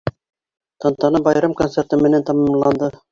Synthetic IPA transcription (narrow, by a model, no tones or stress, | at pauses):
t̪ɑnt̪ɑnɤbɑjɾɑmkont̪seɾt̪ɤmɘ̆nænt̪ɑmɑmlˠɑnd̪ɤ